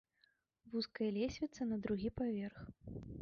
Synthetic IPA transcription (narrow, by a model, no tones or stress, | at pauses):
vuskɐjɐlʲesʲvʲit̪sɐnɐd̪ɾuɣʲipavʲɛrx